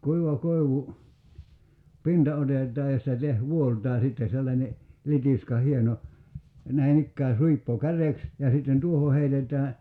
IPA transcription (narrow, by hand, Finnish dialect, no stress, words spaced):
kuiʋɑ koiʋu pintɑ otetˑɑː jɑ sĭtæ teh ʋuoltˑɑː sitːe selːɑnʲe litiskɑ hieno næi ikːæː suipːo kæreks jɑ sitːen tuoho heitetˑæː